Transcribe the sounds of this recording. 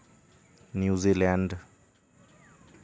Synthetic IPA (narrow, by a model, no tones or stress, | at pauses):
njuzilaɳd